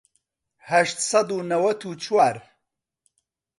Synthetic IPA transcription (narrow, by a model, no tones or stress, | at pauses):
hɐʃt̪sɑd̪unɐwɐt̪ʰut͡ʃʰwaːɾ